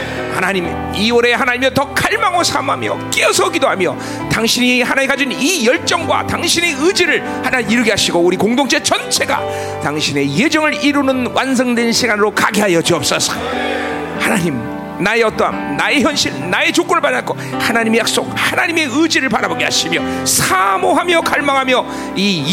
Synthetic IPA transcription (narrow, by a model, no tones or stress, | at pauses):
hanaɲim | ioɾe̞ɦanaɲimetʌkʰaɭmaŋosʰamɦamjʌ̰k͈eʌsʰʌɡidohamjʌ | taŋɕʰiɲihanaikad͡ʑinijʌɭt͡ɕ͈ʌŋɡwa̰taŋɕʰine̞ɯd͡ʑiɾɯɭ | hanaiɾɯɡiɦaɕʰiɡouɾikoŋdoŋt͡ɕʰe̞t͡ɕʌnt͡ɕʰe̞ɡa̰ | taŋɕʰine̞je̞d͡ʑʌŋɯɾiɾunɯnwansʰʌŋdwenɕʰiɡanɯɾokaɡiɦajʌd͡ʑiʌp̚s͈ʌs͈ʌ | hanaɲim | naeʌt͈ʌɦa̰mnaeçjʌnɕʰiɭnae̞t͡ɕok͈unɯɭpanak͈o | hanaɲimejak̚s͈ok̚hanaɲime̞ɯd͡ʑiɾɯɭpaɾaboɡeɦa̰ɕʰimjʌsʰamoɦamjʌkaɭmaŋɦamjʌ | i